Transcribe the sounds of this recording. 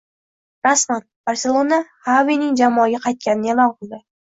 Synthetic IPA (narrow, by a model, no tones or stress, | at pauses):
ɾasmanb̥aɾsʲelˠonahavinɪŋd͡ʒamɒɡʲaqʰɑjt̪̚kʲanɪnjɑlˠɑqʰolˠd̪ɪ